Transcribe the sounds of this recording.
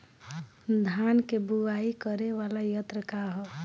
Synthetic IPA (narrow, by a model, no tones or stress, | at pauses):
d̪ʱankebuaikəɾeʋalajət̪ɾəkaɦɔ